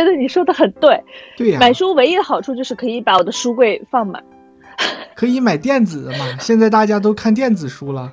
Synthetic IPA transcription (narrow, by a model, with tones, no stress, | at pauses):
t͡ɕɛ˧˥d̪ə˧ni˨˩ʂwɔ˥d̪ə˨xə˨˩nt̪we˥˩ɪt̪we˥˩ɪja˨ma˨˩ɪʂu˥we˧˥ɪi˧˥ə˧xɑ˨˩ʊʈ͡ʂʰu˥˧t͡ɕjo˥˧ʊʂɻ̩˥˩kʰɤ˧˥i˧˥pa˧˥wɔ˨˩d̪ə˦ʂu˥kwe˥˧ɪfɑ˥˩ŋma̰˨˩˦ | kʰɤ˧˥i˧˥ma˨˩ɪt̪jɛ˥˩nd͡zɹ̩˨˩d̪ə˦mɐ˩ɕjɛ˥˧nt͡sa˥˧ɪt̪a˥˩t͡ɕja˥t̪̬o˥ʊkʰa˥˧nt̪̬jɛ˥˩nd͡zɹ̩˨˩ʂu˥lə˨